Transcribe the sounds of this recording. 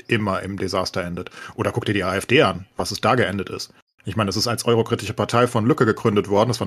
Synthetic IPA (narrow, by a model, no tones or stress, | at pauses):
ʔɪmɐʔɪ̰mdezaːstɐʔɛndətʔoːɾɐkʊk̚tiːɐdiːʔaːɛfd̥eːʔanvasɛsd̥aːɡəʔɛndətɪ̰st | ʔɪçmaɪndas̬ɪstalsʔɔʏʁ̞okʁ̥iːtɪʃəpʰaɐtʰaɪfɔnlʏkəɡəɡ̥ʁʏndətv̥ɔɐdn̩dasv̥aːɐ